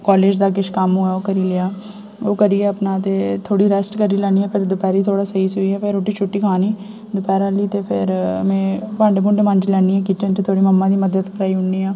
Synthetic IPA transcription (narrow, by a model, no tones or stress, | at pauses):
kaːleːd͡ʒd̪aːk̬ɪʃkəmɦoaːoːkəɾiːlɪjaː | oːkəɾiɛːəpnaːt̪eːt̪ʰoːɽiːɾɛsʈkəɾiːlɛːniːɛ̃ːpʰɪɾd̪ʊpɛːɾiːt̪ʰoːɽaːsəɦiːsʊiːɛːpʰɪɾoːʈiːt͡ʃʰʊʈːiːkʰaːniː | d̪ʊpɛːɾaliːt̪eːpʰɪ̰ɾmẽːpãːɳɖekʊɳɖemə̃ɲd͡ʒlɛːniːɦɛ̃ːkit͡ʃənt̪et̪ʰoːɽiːməmːãːd̪iːməd̪əd̪kəɾaːiɦʊɳiːaː